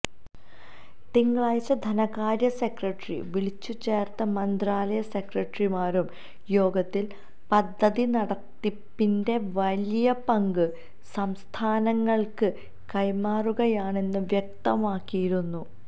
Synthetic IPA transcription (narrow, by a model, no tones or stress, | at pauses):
t̪iŋːɐɭaːjit͡ɕːɐd̪ʱɐnɐɣaːɾjɐse̞krɐʈrḭʋiɭit͡ɕːut͡ɕːe̞ːrt̪ɐmɐnd̪raːlɐjɐse̞krɐʈrimaːɾum | jo̞ːɡɐt̪ːil | pɐd̪ʱːɐðinɐɽɐt̪ːipːinde̞ʋɐlijɐpɐŋɡɨ | sɐmst̪ʰaːnɐŋːɐɭkɨ | kɐjmaːruɣɐjaːɳe̞nːɨʋjek̚t̪ɐmaːkːijiɾunːu